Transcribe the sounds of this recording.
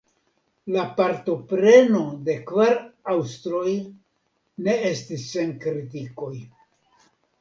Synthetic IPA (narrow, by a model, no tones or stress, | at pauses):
lapaɾto̞pɾe̞no̞de̞kvaɾawst̪ɾo̞j | ne̞e̞stisːe̞nkɾitiko̞j